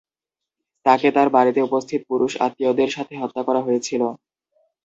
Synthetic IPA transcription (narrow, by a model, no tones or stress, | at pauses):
t̪aket̪aɾbaɾit̪eupost̪ʰit̪opuɾuʃa̰t̪ːiod̪eɾʃat̪ʰeɦɔt̪ːakɔɾaɦojet͡ɕʰilo